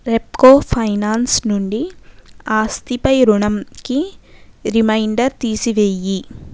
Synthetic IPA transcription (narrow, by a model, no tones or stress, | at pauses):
ɾep̚koːpʰɐjnaːnsnuɳɖiaːst̪ipɐjɾuɳɐmki | ɾimɐjɳɖɐɾt̪iːsiʋeji